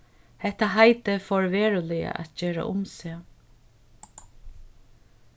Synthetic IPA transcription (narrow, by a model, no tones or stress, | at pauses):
hɛht̪ːaɦajt̪ɪfɔɹʋeːɹʊlɪja̰ʔæ̰t̪̚d͡ʒeːɾa̰ʔʊmseː